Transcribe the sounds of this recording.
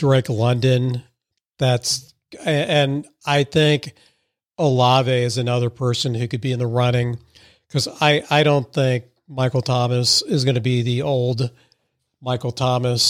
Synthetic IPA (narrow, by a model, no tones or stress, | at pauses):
d̥ɹeɪklʌ̃ndɨ̃n | ðæts | ɨ̃n | aɪθɪ̃ŋk | əlɑveɪɨzɨnʌðə˞pʰɜ˞sɨ̃nhʉkɨd̚biɨ̃nðəɹʌnɪ̃ŋ | kʰʌzaɪʔaɪɾõʊ̃nθɪ̃ŋk̚ | maɪkl̩ˠtʰɑmɨsɨzɡʌnɨbiðioʊlˠd | maɪkl̩ˠtʰɑmɨs